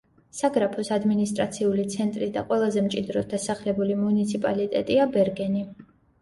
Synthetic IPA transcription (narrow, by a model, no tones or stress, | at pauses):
saɡɾapʰɔsad̪minist̪ʼɾat̪sʰiulit̪sʰɛnt̪ʼɾid̪aqʼwɛlˠazɛmt͡ʃʼid̪ɾɔd̪asaχlɛbulimunit̪sʰipʼalit̪ʼɛ̰t̪ʼiabɛɾɡɛni